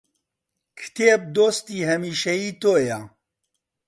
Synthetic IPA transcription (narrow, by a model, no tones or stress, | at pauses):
kʰɨ̥t̪eːp̚d̪oːst̪iːɦɐmiːʃɛjiːt̪oːja